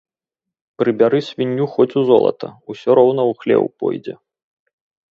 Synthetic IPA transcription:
pɾɨbʲaɾɨsʲvʲinʲːuxɔt͡sʲuzɔlˠɐ̰t̪ɐusʲɔɾɔwn̪ɐuxlʲɛ̰wpɔ̰jd͡zʲɛ̰

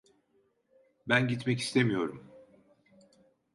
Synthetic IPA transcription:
bænɟit̪mɛci̥st̪ʰemijo̞ɾum

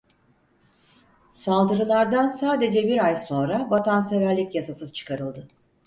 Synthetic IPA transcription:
salˠd̪ɯɾɯlˠaɾd̪ansaːd̪e̞d͡ʒɛbiɾajso̞nɾabat̪ʰanse̞væɾlʲicjasasɯz̥t͡ʃʰɯ̥kʰaɾɯlˠd̪ɯ

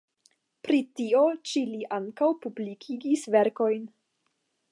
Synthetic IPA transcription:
pɾitio̞t͡ʃiliʔaŋkawpublikʰiɡisveɾko̞jn

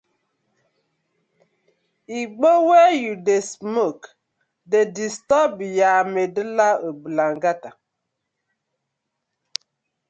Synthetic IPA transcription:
iɡ͡bowɛjudesmok | dedistɔbjamedəlaobəlaŋɡata

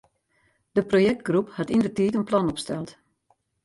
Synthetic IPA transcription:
d̥əprojɛk̚t̚ɡruphatindərtiːtənplanɔpstɛlˠt

